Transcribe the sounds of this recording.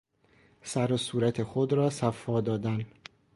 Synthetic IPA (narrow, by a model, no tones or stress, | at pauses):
sæɾosuːɾæt̪ʰexod̪ɾɒːsæfːɒːd̪ɒːd̪æn